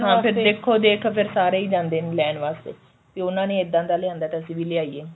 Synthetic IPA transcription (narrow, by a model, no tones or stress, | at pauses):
ɦãːpʰɪɾd̪eːkʰːoːd̪eːkʰːpʰɪɾsaːɾeːiːd͡ʒãːnd̪eːnelɛːnʋaːst̪ḛː | t̪eːʊnãːnẽːɪd̪ãːd̪aːlɪãːnd̪aːt̪eəsĩːʋiːlɪaːiːeː